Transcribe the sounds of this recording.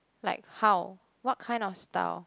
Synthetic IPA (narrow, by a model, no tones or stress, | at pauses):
la̰ɪkhaw | wɔt̚kʰãɪ̃ndɔfsta̰ʊ